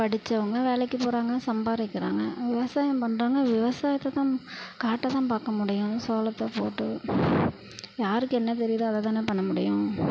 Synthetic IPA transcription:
pɐɽɪt͡ʃːɐʋɐŋɡɐʋeːlɛkːɯpoːɾaːŋɡɐsɐmbaːɾɪkːɪɾa̰ːŋɡɐʋɪʋɐsaːjɐmpɐɳːɾaːŋɡɐʋɪʋɐsaːjɐt̪ːɐt̪ãːkaːʈːɐt̪ãːpaːkɐmʊɽɪjʊ̃soːlɐt̪ːɐpoːʈːɯ | jaːɾɯkːɯɛnːɐt̪̬ɛɾɪjɐðɯɐðɐt̪aːneːpɐɳːɐmʊɽɪjʊ̃

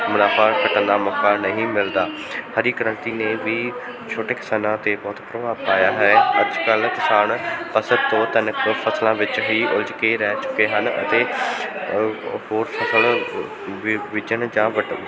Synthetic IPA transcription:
mʊnaːpãːkəʈənd̪aːmɔːkːaːnəɦĩːmɪld̪aː | həɾiːkəɾə̃nt̪iːneːʋiː | t͡ʃʰoːʈeːkɪ̥saːnãːt̪eːbɔːt̪pɾəʋaːbpaːjaːɦɛːəd͡ʒkəlkɪsaːnpəsəd̪t̪õːt̪ənəkpʰəslãːʋɪt͡ʃɦiːʔʊld͡ʒkeɾɛːt͡ʃʊ̥kːeːɦənə̰t̪eː | hoːɾpʰəsəl | ʋɪd͡ʒənd͡ʒãːʋə

